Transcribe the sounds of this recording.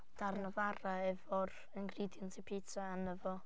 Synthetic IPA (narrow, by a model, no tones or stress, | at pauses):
d̥arnəvaɾaɛvɔr | əŋɡridjɔntʰɛpʰitʰaanəvɔ